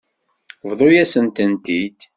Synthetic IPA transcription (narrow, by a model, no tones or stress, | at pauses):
vðˤojæsənt̪ənt̪id̪